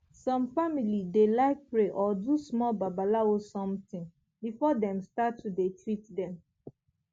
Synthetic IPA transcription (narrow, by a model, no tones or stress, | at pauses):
sɔ̃mfamilidelaɪk̚pɹeʔɔdusmɔlbabalaosɔ̃mtɪ̃ŋ | bifɔdɛ̃mstatːudetɹit̚dɛ̃m